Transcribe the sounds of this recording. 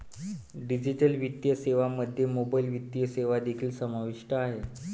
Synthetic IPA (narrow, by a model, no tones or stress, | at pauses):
ɖid͡ʑiʈəlʋit̪jəseʋaməd̪ʱːjemobailʋit̪jəseʋad̪ekʰiːlsəmaʋiʂʈəaɦe